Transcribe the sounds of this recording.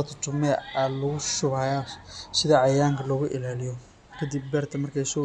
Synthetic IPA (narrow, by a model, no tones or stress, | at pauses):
t̪ʰʊt͡ʃ̪ʊmɛɐlʊɣʊʃʊβɐjasɪðɐʕɑjaːŋkʰɐlɔːɣʊʔɪlaːlɪjɔ | kʰɐd̪ibbɛːrt̪ʰɐmɐrkʰɛjsɔ